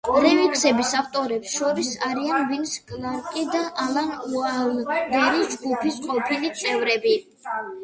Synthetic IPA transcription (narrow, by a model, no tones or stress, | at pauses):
ɾɛvikʰsɛbisaft̪ʼɔɾɛpsʃɔɾisaɾianvinskʼnaɾkʼid̪aʔalˠanualnɡ̪ɛɾid͡ʒɡupʰisqʼɔpʰilit̪sʼɛvɾɛbi